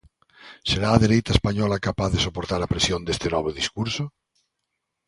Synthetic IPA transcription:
seɾaːðeɾejt̪aespaɲɔlakapaθðesopoɾt̪aɾapɾesjond̪est̪enɔβ̞oðiskuɾso

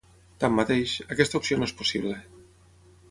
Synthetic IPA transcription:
t̪amːat̪ejʃakɛst̪aupsionoespusiβle

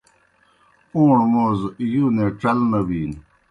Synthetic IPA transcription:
uːɳmozjuneʈ͡ʂɐlnɐbin

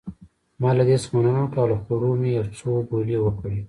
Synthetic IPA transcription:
mɑlad̪esmananoʈɑloxkoɾomejawt͡sobolewəkɽi

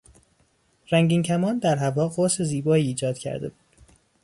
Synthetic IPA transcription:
ɾæŋɟiːŋcʰæmɒːnd̪æɾɦævɒːɢoːseziːbɒːiːd͡ʒɒːd̪̥cʰæ̰ɾd̪e̞̰buːd̪̥

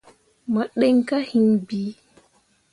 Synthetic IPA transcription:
maɗɛŋkahinbi

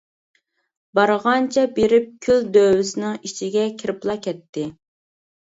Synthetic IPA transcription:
bɑɾʁɑnt͡ʃʰɛbeɾɪp̚kʲʰyld̪øwysnɨŋit͡ʃʰiɡʲɛkʲʰiɾɪplˠɑkʲɛt̪ʰːɪ

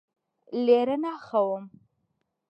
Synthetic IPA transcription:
leɾanaxawəm

